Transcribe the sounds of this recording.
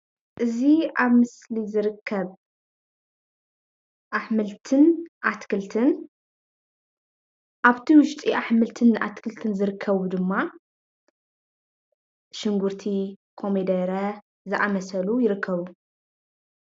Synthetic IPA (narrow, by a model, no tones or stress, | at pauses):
ʔɨziaβmɨslizɨɾɨkʰːɐβ | ʔaħmɨlt̪ʰɨnʔat̪kʰɨlt̪ʰɨn | ʔaβt̪ʰiwʊʃt̪ʼiʔaħmɨlt̪ʰɨnːʔa̰t̪kʰɨlt̪ʰɨnzɨɾɨkʰːɐβud̪ɨmːa | ʃɪŋɡuɾt̪ʰikʰo̞med̪ɐɾɐ | zɨʔamɐsɐlujɪɾɨkʰːɐβu